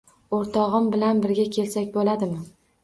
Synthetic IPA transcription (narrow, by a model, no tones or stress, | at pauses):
oɾt̪ʰɒʁɨmbɪlanbɪɾɡʲakʲʰe̞lsakʲbolad̪ɪmɪ